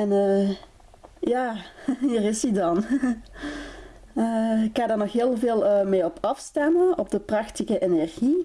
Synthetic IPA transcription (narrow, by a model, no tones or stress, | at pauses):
ɛnəː | jaːhiːrɪsidɑn | əɪkxaːdərnɔxɦeːlˠveːlˠəːmeːɔpʰɑfstɛməɔb̚dəprɑxtiɣəʔenɛrɣi